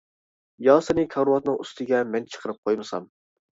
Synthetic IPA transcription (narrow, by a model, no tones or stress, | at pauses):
jɑːsɨnɨkʰɑɾwɑt̪nɨŋust̪ʰɨɡʲɛmɛnt͡ʃʰə̥qʰəɾɨp̚qʰojmɨsɑ̰m